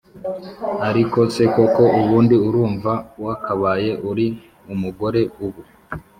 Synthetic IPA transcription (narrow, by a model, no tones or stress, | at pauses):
aɾiko̞se̞ko̞ko̞uβuːndiuɾuːɱvawakaβaːje̞ʔuɾi | umuɡo̞ɾe̞uβu